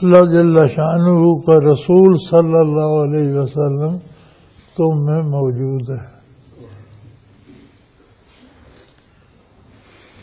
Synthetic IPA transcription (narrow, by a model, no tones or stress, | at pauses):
lad͡ʒɪlːaʃaːnuɦukaɾɐsuːlsɐlːəlːaːɦoɐleːiʋəsəlːəm | t̪ʊmːẽmɔːd͡ʒuːd̪ɦɛː